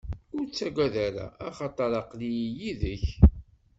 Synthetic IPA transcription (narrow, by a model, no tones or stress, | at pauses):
ʊɾt͡sːæɡʷæðæɾa̰ːχɑt̪ˤɑɾˤɑqlijijiðəç